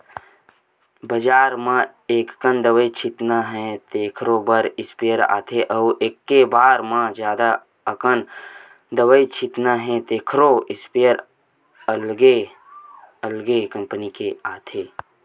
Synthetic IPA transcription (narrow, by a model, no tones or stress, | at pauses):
bəd͡ʒaːɾmã | eːkkənd̪əʋəit͡ʃʰɪt̪naɦɛ̃t̪eːkʰɾobəɾɪspejəɾa̰ːt̪ʰeʔəʔeːkːebaːɾmãd͡ʒjaːd̪a | əkən | d̪əʋəit͡ʃʰɪt̪naɦɛ̃t̪eːkʰɾoɪspejəɾ | əlɡe | əlɡekə̃mpənikeaːt̪ʰeː